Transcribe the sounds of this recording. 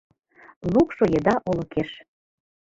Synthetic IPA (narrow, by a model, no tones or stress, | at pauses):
lukʃojed̪ɑʔolə̆keʃ